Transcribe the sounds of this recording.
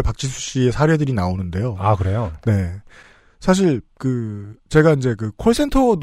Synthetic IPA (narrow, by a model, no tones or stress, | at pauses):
pak̚t͡ɕ͈ʰisʰu̥ɕ͈ie̞sʰaɾedɯɾinaonɯnde̞joakɯɾejone̞ | sʰaɕ̬ʰiɭkɯt͡ɕe̞ɡaind͡ʑe̞kɯkʰoɭs͈ʰe̞ntʰod